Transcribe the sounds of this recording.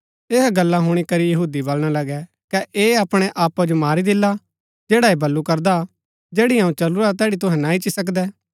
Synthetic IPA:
eːɦaɡɐlːaɦʊɽ̃ikɐɾijɐɦuːd̪ibɐlɽ̃alɐɡɛ | kɛʔeːɐpɽ̃ɛʔaːpːad͡ʒomaːɾid̪ɪlːa | d͡ʒeːɽaebɐlːukɐɾd̪a | d͡ʒeːɽiɦãːũt͡ʃɐluɾat̪ɛːɽit̪̬ʊɦɛ̃nãːit͡ʃisɐk̬d̪ɛː

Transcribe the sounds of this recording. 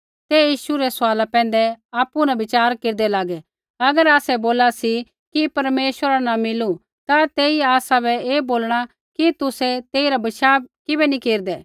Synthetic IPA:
t̪ɛːjiːʃuɾɛsʊaːlapɛ̃ːnd̪ɛaːpːunabɪt͡ʃaːɾkeːɾd̪ɛlaːɡɛ | ɐɡəɾaːsɛboːlasi | kipɐɾmeːʃwəɾanamɪlu | t̪at̪eːiaːsabɛeːboːlɽ̃a | kit̪ʊsɛt̪eːiɾabɐʃaːbkɪbɛnĩkeːɾd̪ɛː

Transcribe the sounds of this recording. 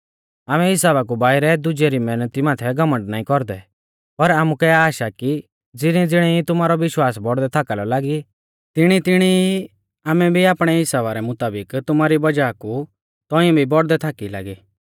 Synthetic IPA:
aːmɛɦɪsaːβak̬ubaːɪɾɛd̪ʊd͡ʒeɾimɛːnət̪imaːt̪ʰɛɡɐmə̃ɳɖnaːĩkɔɾd̪ɛ | pɐɾaːmukɛaːʃaki | d͡zɪñĩd͡zɪɽ̃ɛit̪ʊmaːɾɔʋɪʃwaːsbɔɽd̪ɛt̪ʰaːkalɔlaːɡi | t̪ɪɽ̃it̪ɪɽ̃ii | aːmɛbʱiaːpɽ̃ɛɦɪsaːβaɾɛmʊt̪aːbɪkt̪ʊmaːɾibɐd͡ʒaːku | t̪ɔ̃ĩɔ̃bʱibɔɽd̪ɛt̪ʰaːkila̰ːɡi

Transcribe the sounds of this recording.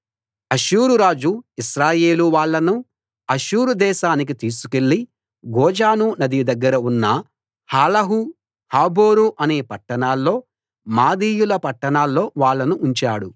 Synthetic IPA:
ɐʃuːɾuɾaːd͡ʒuiʃɾaːje̞ːluʋaːɭːɐnu | ɐʃuːɾud̪ɛːʃaːnik̬it̪iːsu̥ke̞ɭːi | ɡɔːd͡ʒaːnunɐd̪ijud̪ɐɡːɐɾɐunːɐ | haːlɐɦu | haːboːɾuʔɐne̞ːpɐʈːɐɳaːlːo̞ː | maːd̪iːjulɐpɐʈːɐɳaːlːo̞ːʋaːɭːɐnuːɲt͡ʃaːɽu

